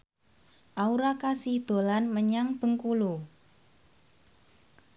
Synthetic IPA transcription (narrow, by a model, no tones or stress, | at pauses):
ʔauɾakasid̪̥o̤lanməɲaŋb̥ə̤ŋkulu